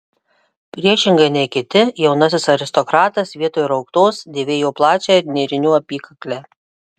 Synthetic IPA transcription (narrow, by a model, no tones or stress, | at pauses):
pʲɾʲiɛʃʲɪŋɡɐɪnʲɛɪkʲɪt̪ʲɪjɛʊnɐs̬ʲɪsɐɾʲɪst̪ɔkɾɑːt̪ɐsʋʲiɛt̪oːjɪɾɒʊkt̪oːsd̪ʲeːʋʲeːjoːplˠɑːt͡ʃʲɛːɪɾnʲeːɾʲɪnʲuːɐpʲiːkɐklʲɛː